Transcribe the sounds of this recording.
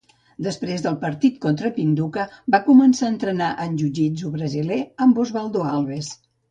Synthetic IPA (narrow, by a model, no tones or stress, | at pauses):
d̪əspɾezðəlˠpəɾt̪it̪̚kont̪ɾəpind̪ukəbakumənsaənt̪ɾənaʔənʲʒud͡ʒizuβɾəzileəmbuzβalˠd̪oalˠβes